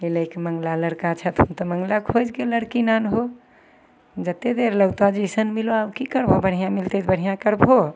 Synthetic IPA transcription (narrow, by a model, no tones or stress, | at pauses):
iləjkeməŋɡlaləɽkat͡ʃʰət̪ũnt̪əməŋɡlakʰod͡ʒkeləɽkinanɦo | d͡ʒət̪ed̪eɾləɡt̪ad͡ʒesənmiloabkikəɾbʱobəɽ̤ijãmilt̪et̪bəɽ̤ijãkəɾbʱo